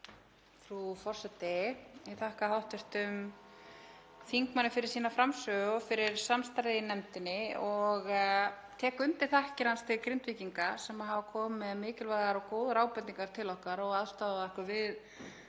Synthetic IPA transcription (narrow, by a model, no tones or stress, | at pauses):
fɾufɔr̥sɛt̪ːɪɛθahkahawht̪ɪr̥t̪ʏm | fiŋkmanːɪfɪɾɪɾ̥siːnafɾamsœːɣʏfɪɾɪɾ̥samst̪aɾɪjnɛmt̪ɪnːɪɔɣt̪ʰɛːkʏmt̪ɪ̥θahcɪɾanst̪ʰɪkɾɪnt̪viːciŋkasɛmaɦavakʰɔːmːɛðmɪːcɪlvaɣaɾɔkoːwðɾaːwpɛnniŋkaɾ̥t̪ʰɪlɔhkaɾɔɣaðst̪aaðɛhkʏvɪð